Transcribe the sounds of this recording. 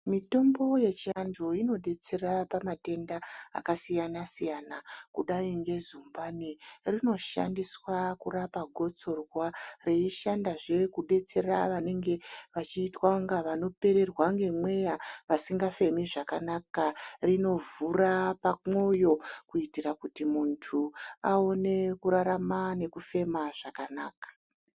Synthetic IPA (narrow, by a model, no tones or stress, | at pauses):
mito̞mbo̞je̞t͡ʃiand͡ʒoino̞ɗe̞t͡se̞rapamate̞ndaa̰kasijanasijanakuɗaiŋɡe̞zumbanirino̞ʃa̰ndiswakurapaɡʱo̞t͡so̞rware̞iʃandaʐe̞kuɗe̞t͡se̞raʋane̞ŋɡe̞ʋat͡ʃiːtwauŋɡaʋano̞pe̞ɾe̞rwaŋɡe̞mwe̞jaʋasiŋɡafe̞miʐakanakarino̞vurapamo̞jo̞kuitirakutimuntʰuao̞ne̞kuɾaɾamane̞kufe̞maʐ̥akanaːkḁ